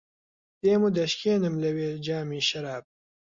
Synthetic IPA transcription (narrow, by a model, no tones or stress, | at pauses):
t̪eːmud̪ɐʃkʰeːnɨmlɐweːd͡ʒaːmiːʃɐɾaːb̚